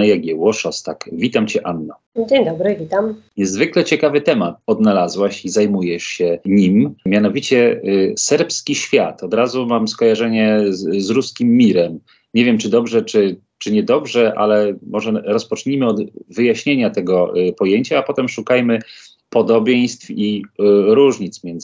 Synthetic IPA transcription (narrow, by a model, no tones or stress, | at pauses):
jaɡʲɛwɔʂɔst̪akvʲit̪amt͡ɕɛʔanːɔ | d͡ʑeɲd̪ɔbɾɘvʲit̪amɲɛzvɘklɛt͡ɕɛkavɘt̪ɛmat̪̚ɔd̪nalazwaɕizajmujɛʂɕɛɲimmʲjanɔvʲit͡ɕɛsɛɾpskʲiɕfʲjat̪ɔd̪ɾazumamskɔjaʐɛɲɛzɾuskʲimːʲiɾɛm | ɲevʲjɛmt͡ʂɘd̪ɔbʐɛt͡ʂɘ | t͡ʂɘɲɛd̪ɔbʐɛʔa̰lɛmɔʐɛɾɔspɔt͡ʂɲimɘɔd̪vɘjaɕɲeɲat̪ɛɡɔpɔjeɲt͡ɕaːpɔt̪ɛmʂukajmɘ | pɔd̪ɔbʲjej̃st̪fiɾuʐɲit̪smʲjɛnd̪z